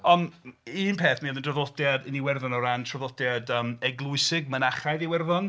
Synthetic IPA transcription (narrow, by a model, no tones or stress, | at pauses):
ɔniːnpʰeːθmiðəndrəðɔtjadəniwɛrðɔnɔɾantʰrɔðɔdjadəːmɛɡlˠʊɨsɪɡ̚mənaχajðiwɛrðɔn